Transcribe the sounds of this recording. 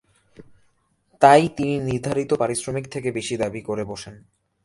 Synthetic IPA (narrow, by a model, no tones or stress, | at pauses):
t̪ajt̪ininiɾd̪ʱaɾit̪opaɾisɾomikt̪ʰekebeʃid̪abikoɾeboʃen